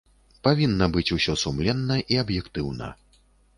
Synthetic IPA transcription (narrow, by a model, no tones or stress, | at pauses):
pavʲinːɐbɨt͡sʲusʲɔsumlʲɛnːɐʔiɐbjɛkt̪ɨwnɐ̰